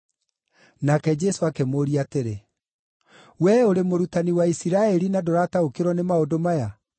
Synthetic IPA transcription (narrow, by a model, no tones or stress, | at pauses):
nakɛd͡ʒɛsoakemoːɾiateɾe | wɛoɾemoɾutaniwaisiɾaɛɾinadoɾataokeɾwɔnemaodomaja